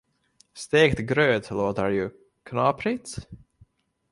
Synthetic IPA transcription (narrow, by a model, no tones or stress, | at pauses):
st̪eːkt̪ɡɾøːd̪lˠoːd̪aɹju | kʰənɑpʰɾit̪s